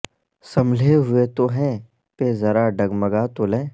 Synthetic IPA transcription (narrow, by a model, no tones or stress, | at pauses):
sɐmleɦʊet̪oɦɛ̃ː | pezɐɾaɖɐɡmɐɡat̪olɛ̃ː